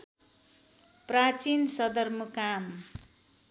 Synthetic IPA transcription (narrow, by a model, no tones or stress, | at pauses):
prat͡sinsʌd̪ʌrmukam